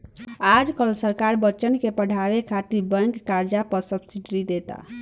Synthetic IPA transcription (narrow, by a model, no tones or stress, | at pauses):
ad͡ʒkəlsəɾkaɾbət͡ʃənkepəɽ̤ʱabekʰat̪ibəŋkːaɾd͡ʒapəɾsəbsiɖɾid̪et̪a̰